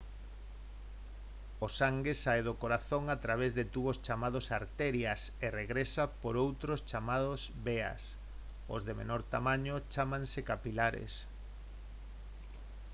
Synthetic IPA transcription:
osaŋɡesaeðokoɾaθoŋat̪ɾaβ̞ezðet̪uβost͡ʃamað̞osaɾt̪ɛɾjasereɣɾesapoɾowt̪ɾost͡ʃamaðosbea̰s | o̰zðemḛnoɾt̪amãɲot͡ʃamãŋsekapilaɾḛs

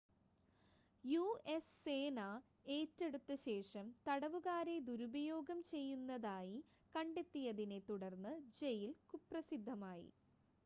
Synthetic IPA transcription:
jue̞sːeːna | e̞ːtːe̞ɽut̪ːɨɕe̞ːʂɐmt̪ɐɽɐʋuɣaːɾe̞d̪uɾubɐjo̞ːɡɐmt͡ɕe̞jːunːɐðaːji | kɐɳɖe̞t̪ːijɐðine̞t̪uɽɐrnːɨd͡ʑe̞jilkuprɐsid̪ʱːɐmaːjḭ

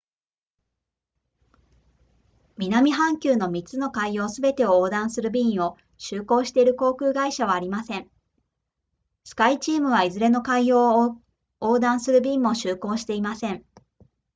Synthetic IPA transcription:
mʲinamʲiɦãŋkʲɨːno̞mʲit͡sɨno̞kaijo̞ːsɨbe̞t̪e̞ooːd̪ãɰ̃sɨɾɯ̟bʲĩɰ̃o̞ | ɕɨːko̞ːɕi̥t̪e̞iɾɯ̟ko̞ːkɯ̟ːɡaiɕaβ̞aːɾʲimasẽ̞ŋ | sɨ̥kait͡ɕiːmɯ̟β̞aizɨɾe̞no̞kaijo̞ː | oːd̪ãɰ̃sɨɾɯ̟bʲiːmːo̞ɕɨːko̞ːɕi̥t̪e̞imasẽ̞ɴ

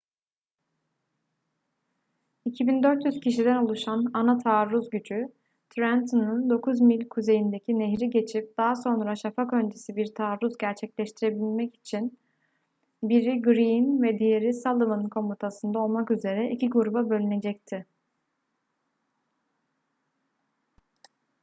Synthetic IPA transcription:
icʰibind̪øɾt̪jyz̥cʰiʃid̪ænolˠuʃananat̪ʰaːɾːuzɟyd͡ʒy | t̪ʰɾant̪ʰɯnɯnd̪o̞kʰuzmilʲkʰuze̞jind̪ecʰineɦɾiɟe̞t͡ʃʰip̚d̪̥aːaso̞nɾaʃafakø̞nd͡ʒesibiɾt̪ʰaːɾːuzɟæɾt͡ʃʰɛclʲɛʃt̪ʰiɾe̞bilʲmɛci̥t͡ʃʰin | biɾiɡɾinvɛd̪ijeɾisalˠɯmɯnkʰo̞mut̪ʰasɯnd̪ao̞lˠmakyze̞ɾɛʔicʰiɡuɾubabø̞lʲyne̞d͡ʒɛct̪ʰɪ

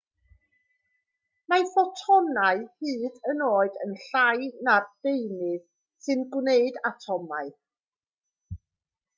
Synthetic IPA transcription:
maθɔtʰɔnaɨhɨːdənoːɨdə̰nɬajnardejnɨð | sɨnɡwneɨdatʰɔmaɨ

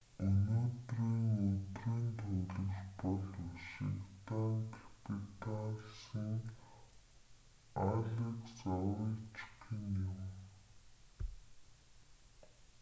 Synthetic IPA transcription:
ɵnoːt̪riːŋɵt̪reːnt̪ʰuɮɘ̆ɮpɔɮuʃḭkt̪aŋkʰḁpʰit̪aɮsə̆ŋ | aɮekt͡sɔwɾit͡ɕkinjʊm

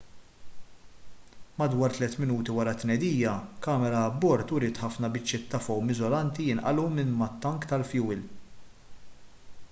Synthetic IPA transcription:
mɐd̪wɐːɾt̪lɛt̪mɪnuːt̪iwɐɾɐt̪nɛd̪iːjɐkɐːmɛɾɐːbːɔɾt̪ʊɾɪːt̪ħɐfnɐbɪt͡ʃːɪt̪ːɐfɔwmɪzɔlɐnt̪ijɪnʔɐ̰lumɪnmɐt̪ːɐŋkt̪ɐlfjuːɪl

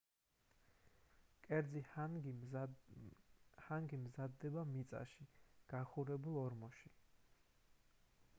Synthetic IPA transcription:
kʼɛɾd̪ziɡ | haŋɡimzad̪ːɛbamit̪sʼa̰ʃiɡ̥aχuɾɛbulˠɔɾmɔʃi

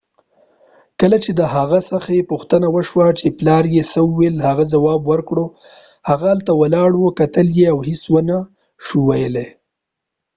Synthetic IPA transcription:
kəlat͡ʃed̪əhaɣasəxaepuxt̪ənawəʃwat͡ʃeplɑɾjesəwelhaɣazawɑbwəɾkɽo | haɣaalt̪awalɑɽwokat̪əljeawhɪswəna | ʃuwajəle

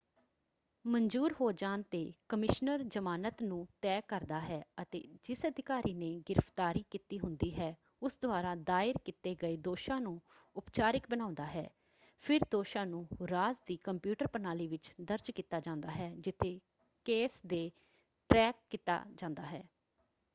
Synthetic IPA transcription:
məɲd͡ʒuːɾɦoːd͡ʒaːnt̪eːkəmɪʃnəɾd͡ʒəmaːnət̪nũːt̪ɛːkəɾd̪aːɦɛːət̪ḛːd͡ʒɪsəd̪ɪkaːɾʔiːneːɡɪɾəft̪aːɾiːkit̪iːɦʊnd̪iːɦɛː | ʊsd̪ʊaːɾaːd̪aːɪɾkɪt̪eːɡəeːd̪oːʃãːnũː | ʊpt͡ʃaːɾɪk̚bənãːʊnd̪aːɦɛ̰ː | pʰɪɾd̪oːʃãːnũːɾaːzd̪iːkəmpjuːʈəɾpənaːliːʋɪt͡ʃd̪əɾd͡ʒkiːt̪aːd͡ʒãːnd̪aːɦɛːd͡ʒɪt̪ʰeː | keːsd̪eː | ʈɾɛːkːɪt̪a̰ːd͡ʒãːnd̪a̰ːɦɛː

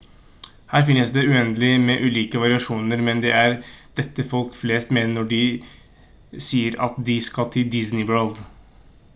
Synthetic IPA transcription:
hæːɾfɪnːəsd̪ɛʉɛnd̪əlɪmɛʔʉːliːkəʋɑɾɪɑʂuːnəɾmɛnd̪ɛæɾd̪̥ɛt̪ːəfɔlkfleːst̪meːnəɔɖɪ | siːəɾɑ̰t̪d̪ɪskɑlt̪ʰɪd̪ɪsnɪʋɜːɭd̪

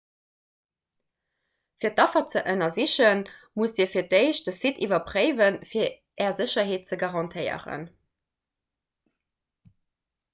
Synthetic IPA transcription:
fiːɐt̚ːɑfɐt͡səʔənɐziɕənmusdiːɐfiɐdəɪɕd̥əsitʰivɐpʁəɪvənfiːɐ | ʔɛːɐzəɕɐɦeːt̚t͡səɡaʁɑntʰəɪə̰ʁə̰n

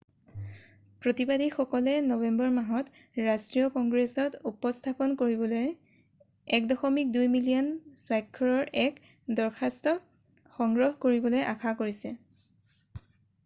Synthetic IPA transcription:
pɹotibadixɔkɔlɛnɔbɛmbɔɹmaɦɔt | ɹastɹijɔkɔŋɡɹesɔtupɔstʰapɔnkoɹibɔloj | ɛkdɔxɔmik̚dujmilijɔnswajkʰːɔɹɔɹɛk | dɔɹkʰastɔ | xɔŋɡɹɔɦkoɹibɔlojʔakʰakoɹisɛ

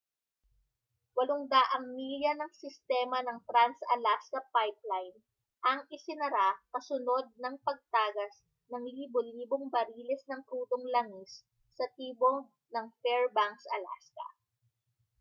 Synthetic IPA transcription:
wɐloŋd̪aʔɐŋmiːljɐnɐŋsɪst̪ɛːmɐnɐŋt̪ɾansɐlaskɐpajp̚lajn | ʔɐŋɪsɪnɐɾakɐsʊno̞d̪̚nɐŋpɐɡ̚t̪aːɡɐs | nɐŋliːboliːboŋbɐɾiːlɛsnɐŋt̪ɾuːt̪oŋlɐŋisː | ɐt̪iːbo | nɐŋfɛɹbaŋksʔɐla̰skɐ̰

